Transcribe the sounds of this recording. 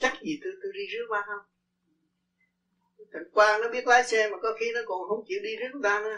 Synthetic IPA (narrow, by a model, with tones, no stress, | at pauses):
t͡ɕa˦˥k̚zi˨˩t̪ɨ˧t̪ɨ˧ɗi˧zɨ˦˥ək̚maː˧hə˧wŋ͡m | t̪ʰa˨˩ŋkwaː˧nɔ˨˦ɓi˦˥ət̚laː˨˦jsɛ˧maː˨˩kɔ˨˦xi˧˦nɔ˨˦ko˨˩nhə˧˦wŋ͡mt͡ɕḭ˧˨wɗi˧zɨ˦˥k̚t̪aː˧nɨ˧˦